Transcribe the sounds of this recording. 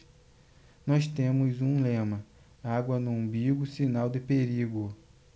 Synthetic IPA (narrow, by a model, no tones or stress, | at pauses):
nɔst̪ẽmʊzũlẽmɐ | aɡwɐnʊõbiɡʊsinawd̪ɪpeɾiɡʊ